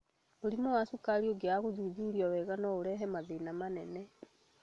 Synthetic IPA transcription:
oɾimɔwasukaɾioɡeaɣoðuðuɾiɔwɛɣanɔoɾɛɦɛmaðenamanɛnɛ

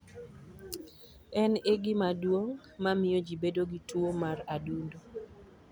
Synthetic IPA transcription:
ɛneɡɪmadwoŋ | mamɪjod͡ʒibedoɡituomaradundo

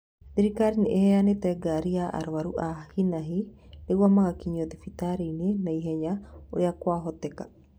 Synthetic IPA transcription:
diɾikaɾineʔɛɛanetɛɡaɾiaʔa̰ɾwaɾuʔahinaɦineɣwamaɣakiɲɔðifitaɾeinenaiɦɛɲaoɾeakwaɦɔtɛka

